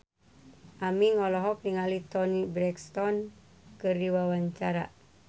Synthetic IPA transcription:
ʔamiŋɔlɔɦɔk̚niŋalit̪ɔnibɾɛkst̪ɔn | kɨrdiwawaɲt͡ʃaɾa̰

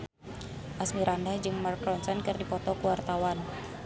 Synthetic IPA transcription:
ʔasmiɾandahd͡ʒɨŋmarkɾɔnsɔnkɨrdipɔt̪ɔkuwart̪awan

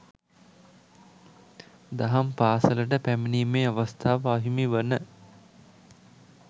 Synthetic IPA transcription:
d̪aɦampaːsələʈəpæminiːmeːaʋast̪ʰaːʋaɦimiʋənə

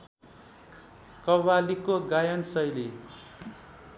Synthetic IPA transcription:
kʌwalikoɡajʌnsʌjle

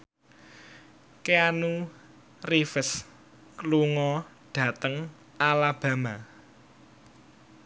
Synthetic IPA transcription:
keanu | rifəs | kluŋɔ | ɖ̥ä̤t̪əŋ | alab̥a̤ma

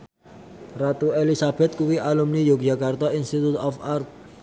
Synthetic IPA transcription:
rat̪uelisab̥ɛt̪̚kuwiʔalumnijok̚d͡ʒakart̪ainst̪it̪ut̪ɔfart̪̚

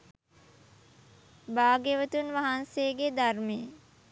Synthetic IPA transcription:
baːɡeʋət̪unʋaɦanseːɡed̪arme

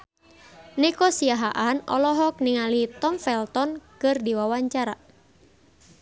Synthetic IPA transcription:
nikɔsiaɦaʔanɔ̰lɔɦɔk̚niŋalit̪ɔmfɛlt̪ɔnkɨrdiwawaɲt͡ʃaɾa

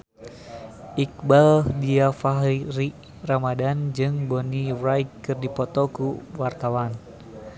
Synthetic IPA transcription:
ʔik̚baldiafaɦɾi | ramadand͡ʒɨŋbɔniwrajkkɨrdipɔt̪ɔkuwart̪awan

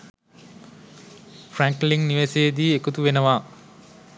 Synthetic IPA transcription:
fʰræŋkliŋniʋeseːd̪iːekut̪uʋenəʋa

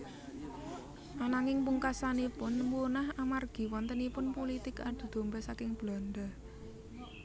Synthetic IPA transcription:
ʔanaŋɪŋpuŋkasanipʊnmunahamarɡ̥i̤wɔnt̪ənipʊnpolit̪ɪkad̪̥ṳd̪̥o̤mbɛsakɪŋb̥la̤nɖ̪a

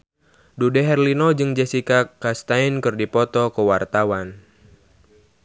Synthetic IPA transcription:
dudɛɦɛrlinɔd͡ʒɨŋd͡ʒɛsikakast̪ainkɨrdipɔt̪ɔkəwart̪awan

